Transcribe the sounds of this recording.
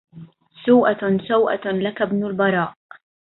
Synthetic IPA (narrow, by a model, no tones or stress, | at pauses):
suːʔasawʔa̰lakabnʊlbɑɾˤɑːʔ